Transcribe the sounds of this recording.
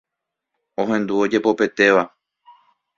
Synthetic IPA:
õ̞ɦẽ̞nd̪uo̞d͡ʒe̞po̞pe̞t̪e̞ʋa

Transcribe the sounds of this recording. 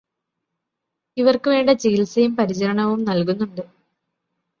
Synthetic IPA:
iʋɐrkɨʋe̞ːɳɖɐt͡ɕiilsɐjumpɐɾit͡ɕɐɾɐɳɐʋumnɐlkunːuɳɖɨ

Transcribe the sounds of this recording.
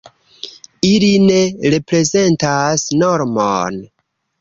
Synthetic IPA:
iline̞ɾe̞pɾe̞ze̞ntasnoɾmo̰n

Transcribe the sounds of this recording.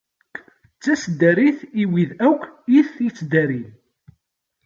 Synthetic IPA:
t͡sːæsd̪æɾiθiwiðækʷʰːiθːit͡sːd̪æɾi

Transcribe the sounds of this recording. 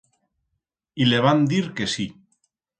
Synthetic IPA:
ileβ̞and̪iɾkesi

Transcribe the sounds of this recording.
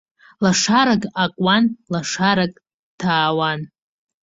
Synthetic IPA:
laʂaɾakʼakʷʼwanlaʂaɾakʼ | tʰaːwan

